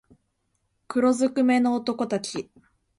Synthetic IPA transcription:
kɯ̟ɾo̞zɨkɯ̟me̞no̞ːt̪o̞ko̞t̪at͡ɕi

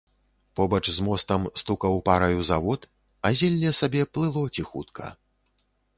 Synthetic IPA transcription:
pɔbɐt͡ʂzmɔst̪ɐmst̪ukɐwpaɾɐjuzavɔt̪ | azʲɛlʲːɛsabʲɛplˠɨlˠɔt͡sʲixut̪kʰɐ̰

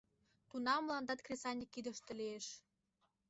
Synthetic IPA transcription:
t̪unɑmːlɑnd̪ɑt̪krʲesɑnʲikːid̪ə̆ʃt̪ĕlieʃ

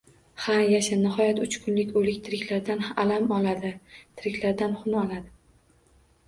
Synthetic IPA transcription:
hajaʃanɪɦɒjat̪ʊt͡ʃkʰʊnlɪkʲolɪkʲt̪ʰɪɾɪkʲlaɾd̪analamɒlad̪ɪt̪ʰɪɾɪkʲʰlaɾd̪anχʊnɒlad̪ɪ

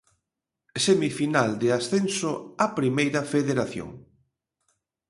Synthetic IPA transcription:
semifinald̪easθensoapɾimejɾɐfeðeɾaθjo̰ŋ

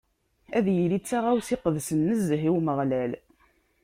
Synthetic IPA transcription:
æðjəlit͡sːaʁawsiqəðsənːəzəɦiwməʁlæl

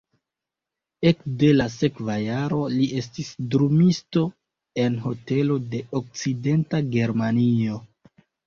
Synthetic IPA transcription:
ekde̞lase̞kvajaɾo̞lie̞s̬tisdɾumisto̞ | e̞nɦo̞te̞lo̞de̞ok̚t͡side̞ntaɡe̞ɾmanio̞

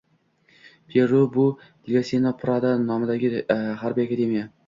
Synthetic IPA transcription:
pʰeɾʊbʊ | d̪ɪɡʲasenapʰɾad̪anɒmɪd̪aɡʲɪɦaɾbiakad̪emija

